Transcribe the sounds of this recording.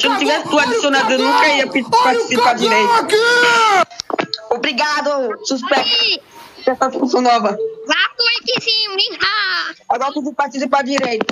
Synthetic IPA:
sɪnɐ̃t̪ivɛsɪt̪uad̪isionad̪ʊenũkɐiɐpit̪paɾt̪i̥sipad͡ʒiɾejt̪ki | obɾiɡad̪osuspɛk̚t̪ɐkɛst̪ɐd̪iskusɐ̃w̃nɔvɐzatuɛkisĩikaaɡɔɾɐt̪ud̪upaɾt̪is̬ipad͡ʒiɾejt̪ɐ̥

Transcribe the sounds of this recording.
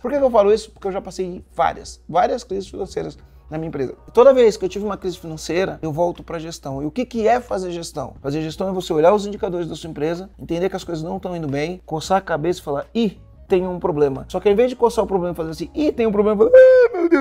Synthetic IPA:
poɾkekewfalʊisʊ̥poɾkɪewʒapasejɪ̃va̰ɾiɐ̰svaɾiɐskɾizɪsfinɐ̃sejɾɐs | nɐmĩɲɐẽpɾezɐ̰t̪od̪ɐvejskɪewt͡ʃivɪũmɐkɾizɪfinɐ̃sejɾɐʔewvɔwt̪ʊpɾɐʒest̪ɐ̃w̃ɪʊkɪkɪɛfazeɾʒest̪ɐ̰̃w̃fazeɾʒest̪ɐ̃w̃ɛvoseoʎaɾʊzĩnd͡ʒikad̪oɾɪzd̪ɐsuɐẽmpɾezɐẽnt̪ẽnd̪eɾkɪɐskojzɐznɐ̃w̃ʃt̪ɐ̃w̃ĩnd̪ʊbẽj̃kosakabesɐɪ̥falaɾi | t̪ẽjɲʊũpɾoblẽmɐsɔkɪãĩvezd͡ʒɪkoɾsaɾʊpɾoblẽmɐfazeɾasĩit̪ẽj̃ʊ̃pɾoblẽmɐfalemed̪e

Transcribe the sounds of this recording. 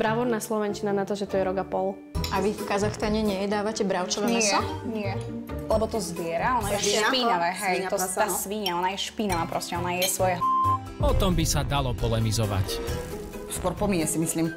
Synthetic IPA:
bɾaʋɔɾnaslɔʋɛnt͡ʃinanat̪ɔʒɛt̪ɔjɛɾɔɡapɔl | ʔaʋifkazaxst̪aɲɛɲɛjɛd̪aːʋacɛbɾaʊt͡ʃɔʋɛːmɛsɔnɪɛlɛbɔt̪ɔzʋɪɛɾaɔnaɛpinaʋɛɦɛjt̪ɔasʋiɲaɔnajɛʃpiːnaʋaːpɾɔscɛɔnajɛsʋɔjaɦ | pɔt̪ɔmbisad̪alɔpɔlɛmizɔʋa̰c | st̪ɔɾpɔmiɲɛsimisliːm

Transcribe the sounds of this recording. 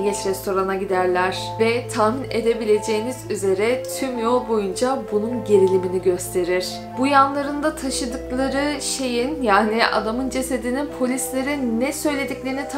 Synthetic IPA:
it͡ʃɾɛst̪ʰo̞ɾanaɟid̪æɾlʲæɾ̥vɛt̪ʰaːmine̞d̪e̞bilʲe̞d͡ʒe̞jinizyze̞ɾɛt̪ʰymjolˠbo̞jund͡ʒabununɟe̞ɾilʲiminiɟø̞st̪ʰe̞ɾiɾ̥ | bujanlˠaɾɯnd̪at̪ʰaʃɯd̪ɯklˠaɾɯʃe̞jinjaːniʔa̰d̪amɯnd͡ʒe̞sed̪ininpʰo̞lʲislʲe̞ɾinɛsø̞jlʲe̞d̪iclʲe̞ɾinit̪ʰ

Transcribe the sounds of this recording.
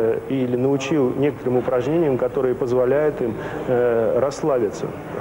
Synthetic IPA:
ilʲɪnəʊt͡ɕilˠnʲe̞kə̥t̪əɾɨmʊpɾɐʐnʲenʲɪjəmkɐt̪o̞ɾɨjəpəzvɐlʲæjʊt̪im | ɾɐsːlˠabʲɪt̪sə̰

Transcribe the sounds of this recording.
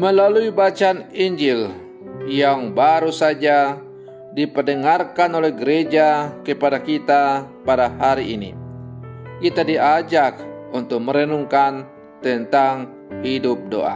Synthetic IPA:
məlaluibat͡ʃaniɲd͡ʒɪl | jaŋbaɾusad͡ʒa | dipərdəŋarkanolɛhɡəɾed͡ʒakəpadakit̪a | padahaɾiʔːnḭ | kit̪adiʔad͡ʒak̚unt̪ʊk̚məɾənuŋkan | t̪ənt̪aŋ | hidʊp̚do̰ʔa̰

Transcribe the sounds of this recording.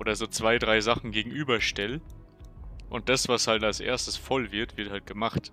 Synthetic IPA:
ʔoːdɐzoːt͡sv̥aɪdʁaɪzaχn̩ɡeːɡŋ̩ʔyːbɐʃtɛl | ʔʊnt̚d̥asv̥ashaltalsʔḛːɐstəsfɔlvɪɐtv̥ɪɐthalt̚ɡ̥əmaχt

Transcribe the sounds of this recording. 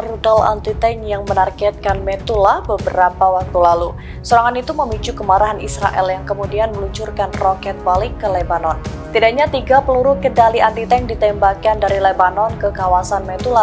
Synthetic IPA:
rudala̰nt̪it̪ɛnjaŋmənarɡɛt̪̚kanmɛt̪ulahbəbəɾapawak̚t̪ulalu | suɾaŋanit̪uməmit͡ʃukəmaɾaɦanisɾa̰ʔɛ̰ljaŋkəmudianməluɲt͡ʃurkanrɔkɛt̪̚balɪkːəlɛbanɔn | t̪idaʔɲat̪iɡapəluɾʊkədaliant̪it̪ɛŋdit̪ɛmbakandaɾilebanɔnkəkawasanmɛt̪ula

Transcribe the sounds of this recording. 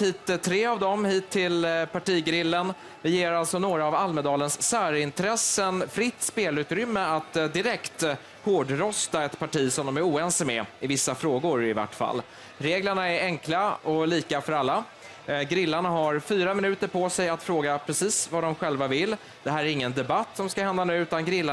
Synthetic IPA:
hiːt̪ːt̪ʰːɾeːavd̪ɔmhiːt̪ʰːɪlpaʈiːɡɾɪlːən | vɪjeːɾalsɔnoːɾaːvalməd̪ɑːlənsːæːɾɪnt̪ɾɛsənfɾɪt̪ːspeːlʉ̟ːt̪ɾʏmːəat̪d̪ɪɾɛkt̪ | hoːɖɾɔst̪aɛt̪pʰaʈiːsɔmd̪ɔmæɾuːɛnsmɛɪvɪsːafɾoːɡʊɾɪva̰ʈːfa̰lː | ɾeːɡləɳaɛɾɛŋklaɔliːkafœɾalːa | ɡɾɪlːaɳaɦaɾfyːɾamɪnʉ̟ːt̪əɾpʰɔsɛjat̪fɾoːɡapʰɾɛsiːsvad̪ɔmɧɛlvavɪlː | d̪̥ɛɦæːɾæɾɪŋːənd̪ɛbat̪ːsɔmskahɛnd̪anʉ̟ːʉt̪anɡɾɪlːa

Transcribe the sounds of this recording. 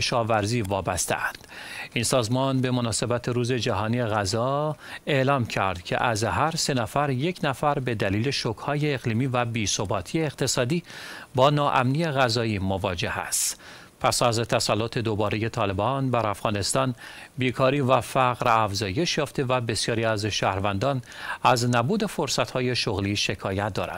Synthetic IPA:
eʃɒːvæɾziːvɒːbæst̪eæ̰nd̪̥insɒːzmɒnbe̞mo̞nɒːse̞bæt̪ʰe̞ɾuːze̞d͡ʒæɦɒːniːeɣæzɒːe̞ʔlɒːmcʰæ̰ɾd̪̥cʰe̞̰ʔæzɦæɾse̞næfæɾje̞cʰnæfæɾbe̞d̪æliːle̞ʃokhɒːje̞ːɣliːmiːvæbiːsobɒːt̪ʰiːeeqt̪ʰe̞sɒːd̪iːbɒːnɒːʔæ̰mnije̞ɣæzɒːiːmovɒːd͡ʒe̞hæ̰st̪ | pʰæsæzt̪ʰæsælːot̪ʰe̞d̪obɒːɾeje̞t̪ʰɒːle̞bɒːnbæɾæfɣɒːne̞st̪ɒːnbiːkʰɒːɾiːvæfæɣɾæfzɒːje̞ʃjɒːft̪evæbe̞sjɒːɾiːæzʃæːhɾvænd̪ɒːnæznæbuːd̪e̞foɾsæt̪hɒːje̞ʃoɣliːʃe̞kʰɒːjæt̪̚ʰd̪ɒːɾæ̰d̪̥

